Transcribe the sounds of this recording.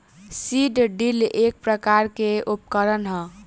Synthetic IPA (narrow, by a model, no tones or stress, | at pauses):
siɖɖilek̚pɾəkaɾkeup̚kəɾənɦə